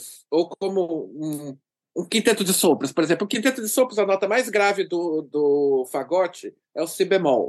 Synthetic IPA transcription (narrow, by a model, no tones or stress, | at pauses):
s | owkõmʊũ | ũkĩt̪ẽt̪ʊd͡ʒɪsõpɾɐspoɾezẽplʊ̃kĩt̪ẽt̪ʊd͡ʒɪsõpɾʊzɐnɔt̪ɐmajzɡɾavɪd̪ʊd̪ʊfaɡɔt͡ʃɪ | ɛʊsibemɔw